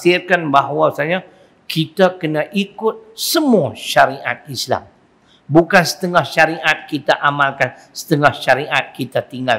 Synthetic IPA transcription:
sɪrkanbaɦwasaɲa | kʰit̪akənãʔikʊt̪̚səmuaʃaɾiʔa̰t̪̚isla̰m | bukansə̥t̪əŋahʃaɾiʔat̪̚kit̪aʔamalkan | sə̥t̪əŋahʃaɾiʔat̪̚kit̪at̪iŋɡa

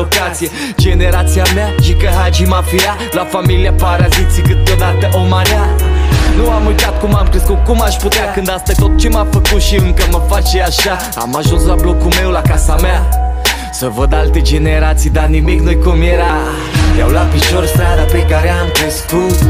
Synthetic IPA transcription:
okat̪sije | d͡ʒe̞neɾat̪siameaʃikəɦat͡ʃimafia | lafamiliapaɾazit̪sikɨt̪̚d̪od̪at̪əʔomaɾeanuamujt̪at̪̚kumamkɾeskut̪̚kumaʃput̪eakɨnd̪ast̪at̪ot̪̚t͡ʃemafəkut̪ʃiɨŋkəməfat͡ʃeaʃa | a̰maʒunslablo̞kume̞wlakasamea | səvəd̪alt̪ed͡ʒe̞neɾat̪sijd̪animiknojkumjeɾa | t̪jawlapiʒoɾst̪ɾad̪apekaɾeamkɾeskut̪

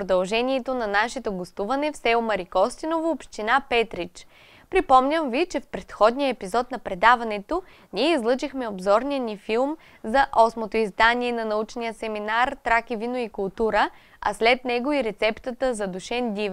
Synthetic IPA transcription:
pɾod̪ɐlˠʒɛniɛt̪onɐnaʃɛt̪oɡost̪uvɐnɛfsɛomɐɾikɔst̪inovoopʃt̪inapɛt̪ɾit͡ʃ | pɾipɔmnʲəmvit͡ʃɛfpɾɛt̪xɔd̪nijəɛpizɔt̪nɐpɾɛd̪avɐnɛt̪o | niɛizlˠɤt͡ʃixmɛobzɔɾnijənifilˠm | zɐʔɔsmot̪oizd̪aniɛnɐnɐut͡ʃnijəsɛminaɾt̪ɾakivinoikʊlˠt̪uɾə | ɐ̰slɛt̪nɛɡoiɾɛt̪sɛpt̪ət̪əzɐd̪uʃɛnd̪iv

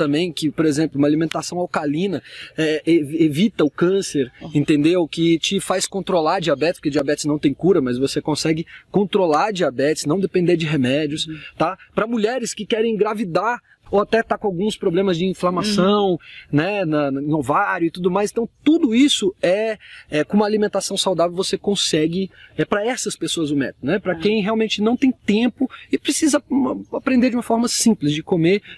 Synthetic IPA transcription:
t̪ɐ̃mbẽj̃kɪpoɾezẽmplʊũmalimẽnt̪asɐ̃w̃awkalĩnɐɛevevit̪ɐʊkɐ̃seɾẽnt̪ẽnd̪ewkɪt͡ʃɪfajskõnt̪ɾolaɾd͡ʒiabɛt͡ʃɪspo̥ɾkɪd͡ʒiabɛt͡ʃɪznɐ̃w̃t̪ẽj̃kuɾɐmɐzvosekõsɛɡɪkõnt̪ɾolaɾd͡ʒiabɛt͡ʃɪ̥znɐ̃w̃d̪epẽnd̪eɾd͡ʒɪɦemɛd͡ʒiʊst̪apɾɐmuʎɛɾɪskɪkɛɾẽj̃ɡɾavid̪aɾ | oat̪ɛt̪akõawɡũspɾoblẽmɐzd͡ʒɪĩflɐmasɐ̃w̃nɛnɐ̃novaɾjʊɪt̪ud̪ʊmajzẽt̪w̃t̪ud̪ʊisʊɛɛkõũmɐalimẽnt̪asɐ̃w̃sawd̪avewvosekõsɛɡɪɛpɾɐɛsɐspesoɐzʊmɛ̰t̪nɛpɾɐkẽj̃ɦeawmẽnt͡ʃɪnɐ̃w̃t̪ẽj̃t̪ẽpʊɪpɾɪsizɐɐapɾẽnd̪eɾd͡ʒɪũmɐfɔɾmɐsĩplɪzd͡ʒɪkomeɾ

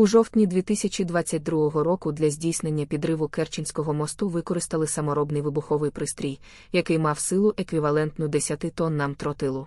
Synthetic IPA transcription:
uʒɔwt̪ʲnʲid̪ʲʋʲit̪ɪsʲɐt͡ʃʲid̪ʋat͡sʲːɐt̚ʲd̪ɾuɦɔɦɔɾɔkʊd̪lʲɐzʲdʲijsnenʲːɐpʲid̪ɾɪʋʊkɛrt͡ʃɪnʲsʲkɔɦɔmɔst̪ʊʋɪkɔɾɪst̪ɐlˠɪsɐmɔɾɔbnɪjʋɪbʊxɔʋɪjpɾɪst̪ɾʲij | jɐkɪjmɑwsɪlˠʊʔekʋʲiʋɐlˠɛnt̪nʊd̪esʲjɐt̪ɪt̪ɔnːɐmt̪ɾɔt̪ɪlˠʊ

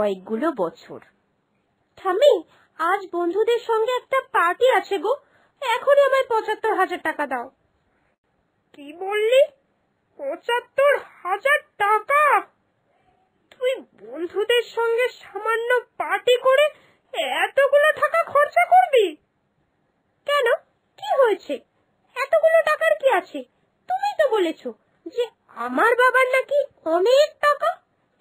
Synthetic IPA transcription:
ɔek̚ɡulobɔt͡ɕʰo̰ɾ | ʈʰami | ad͡ʑbond̪ʱud̪eɾʃɔŋɡeɛk̚ʈapaʈiat͡ɕʰeɡo | ɛkʰoniamaɾpɔt͡ɕat̪ːoɾɦad͡ʑaɾʈakad̪ao | kibolːi | pɔt͡ɕat̪ːoɾhad͡ʑaɾʈaka | t̪ujbond̪ʱud̪eɾʃɔŋɡeʃamanːopaʈikoɾe | ɛt̪oɡuloʈ̪ʰakakʰɔɾt͡ɕakoɾbi | kɛno | kiɦoet͡ɕʰe | ɛt̪oɡuloʈakaɾkiat͡ɕʰe | t̪umit̪obolet͡ɕʰo | d͡ʑe | amaɾbabaɾnaki | ɔnek̚ʈaka

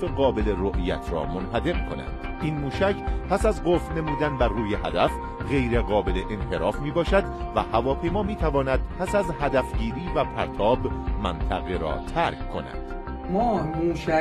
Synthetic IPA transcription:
feɣɒːbe̞leɾoʔijæ̰t̪ʰɾɒ̰ːmonɦæd̪e̞mkʰo̞næ̰d̥̪ʔiːnmuːʃæcʰpʰæsæzɢofne̞muːd̪ænbæɾːuːjeɦæ̰d̪æf | ɣe̞jɾeɣɒːbe̞le̞ʔenhe̞ɾɒːfmiːbɒːʃæd̪væ̰hævɒːpʰe̞jmɒːmiːt̪ʰævɒːnæd̪̥̚pʰæsæzhæd̪æfɟiːɾiːvæpʰæɾt̪ʰɒːbmænt̪ʰæ̰ɣeɾɒ̰ːt̪ʰæɾkkʰːo̞̰næ̰d̪̥ | mɒːmuːʃæ

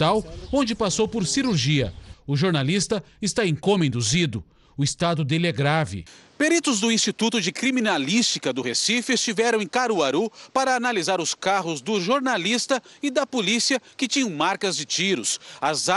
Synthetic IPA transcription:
t̪awõnd͡ʒɪpasowpoɾsiɾuɾʒiɐ̰ʊʒoɾnalist̪ɐɪst̪aẽkõmẽd̪uzid̪ʊ | ʊɪst̪ad̪ʊd̪elɛɡɾavɪ̰peɾit̪ʊzd̪ʊĩst͡ʃit̪ut̪ʊd͡ʒɪkɾiminalist͡ʃikɐd̪ʊhesifest͡ʃivɛɾɐ̃w̃ẽkaɾuaɾupaɾɐːnalizaɾʊskaɦʊzd̪ʊʒoɾnalist̪ɐɪd̪ɐpolisiɐkɪt͡ʃĩɲɐ̃w̃maɾkɐzd͡ʒɪt͡ʃiɾʊsɐza

